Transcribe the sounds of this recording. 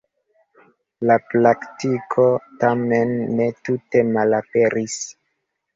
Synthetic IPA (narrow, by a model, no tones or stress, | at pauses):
laplaktikʰo̞tamenːe̞tute̞malape̞ɾis